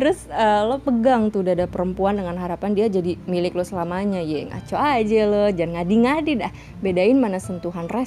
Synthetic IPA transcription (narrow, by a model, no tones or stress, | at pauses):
tt̪əɾʊsəlɔpəɡaŋt̪udadapəɾəmpuandəŋanɦaɾapandiad͡ʒadimilɪklɔsəlamaɲajaŋa̰t͡ʃoad͡ʒɛlɔd͡ʒanŋadiŋadidah | bedaɪnmanasənt̪uɦanrɛs